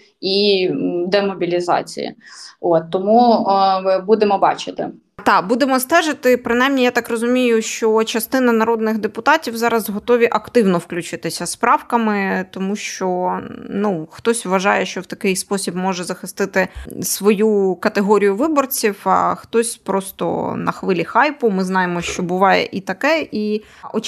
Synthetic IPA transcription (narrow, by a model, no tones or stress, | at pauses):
id̪ɛmɔbʲilʲizɑ̰t͡sʲḭjḭot̪ːɔmu | bud̪emɔbɑ̰t͡ʃɪt̪ɪ̰ | t̪ɑkbud̪emɔst̪ɛʒɪt̪ɪpɾɪnɑjmnʲijat̪ɑkrɔzʊmʲijʊʃt͡ʃɔt͡ʃɐst̪ɪnɐnɐɾɔd̪nɪɣd̪epʊt̪ɑtʲiwzɑɾɐzɦɔt̪ɔʋʲiʔɐkt̪ɪwnɔwklʲʊt͡ʃɪt̪ɪsʲɐspɾɑwkɐmɪt̪ɔmuʃt͡ʃɔnuxt̪ɔsʲʋʋɐʒɑjɛʃt͡ʃɔwt̪ɐkɪjspɔsʲibmɔʒɛzɐxɪst̪ɪt̪ɪsʋɔjukɐt̪eɦɔɾʲijʊʋɪbɔrt͡sʲiwɑ̰xt̪ɔsʲpɾɔst̪ɔ̰nɐ̰xʋɪlʲixɑjpʊmɪznɑjemɔʃt͡ʃɔbʊʋɑjɛ̰ʔit̪ɐkɛʔi | ʔɔ